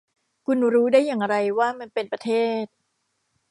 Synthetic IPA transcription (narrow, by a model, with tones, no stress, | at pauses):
kʰu˧nɾuː˦˥daː˥˩jːaː˨˩ŋɾa˧jwaː˥˩ma˧npe˧npɾa˧t̪ʰeː˥˩t̪̚